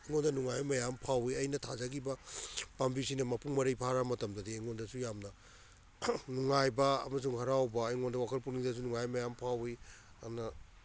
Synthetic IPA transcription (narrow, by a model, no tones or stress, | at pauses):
eŋondɐnuŋajjmɐjampʰawiɐjnɐtʰazaɡibɐpambisinɐmɐpuŋmɐɾɐjpʰaɾamɐtɐmdɐdieŋondɐsujamnɐ | nuŋajbɐ̰ːmɐs̬uŋhɐɾawbɐːjŋondɐwakʰɐlpuniŋdɐs̬unuŋajmɐjampʰawi | anɐ